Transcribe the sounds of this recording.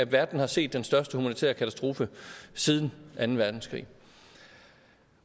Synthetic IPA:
æʋæɐd̥n̩hɑ̈se̝̰ːd̥ːensd̥ɶɐsd̥əhumænit͡sʰḛɐkʰæt͡sʰæsd̥ʁo̝ːfəsið̞ˠn̩ʔænn̩ʋæɐd̥n̩skʰʁḭː

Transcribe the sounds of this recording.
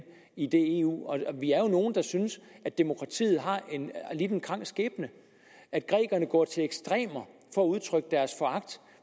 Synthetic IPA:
id̥e̝e̝ːṵːɒʋiæɐjo̝no̝ːn̩d̥ɑ̈synsʔæd̥e̝mo̝kʰʁɑ̈t͡sʰḭːð̩ˠɦɑ̈ʔe̝nlid̥n̩kʰʁɑ̈ŋ̰sɡ̥ḛːb̥nə | æd̥̚ɡ̥ʁɛ̰ːɡ̥ɐnəɡ̥ɒ̰ːt͡sʰe̝leɡ̥sd̥ʁɛ̰ːmɐ | fɒ̽ːuð̞ˠt͡sʰʁœɡ̥əd̥æɐsfɒ̽ɑ̈ɡ̥̚d̥

